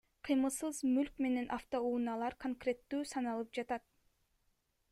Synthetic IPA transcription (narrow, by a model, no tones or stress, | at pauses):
qʰɯjmɯsɯzmylkme̞ne̞nʔaft̪o̞uːnɑlˠɑɾkoŋkrʲe̞t̪ːyːsɑnɑlˠɯp̚d͡ʒɑt̪ɑt̪̚